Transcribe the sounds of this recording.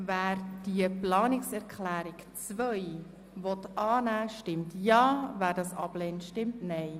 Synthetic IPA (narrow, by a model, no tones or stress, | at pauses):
væːɾd̥iəplɑːnɪksɛɾkʰlæːɾikt͡svœj | vɔtɑːnæːʃtɪmtjɑːvæːɾdɑsɑ̰b̥lɛːntʃtɪmtnɛj